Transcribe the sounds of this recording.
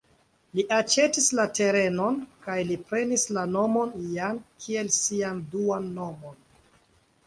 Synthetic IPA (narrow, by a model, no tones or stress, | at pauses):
liʔat͡ʃe̞tislate̞ɾe̞no̞nkajlipɾe̞nislano̞mo̞njankʰie̞lsianduanːo̞mo̞n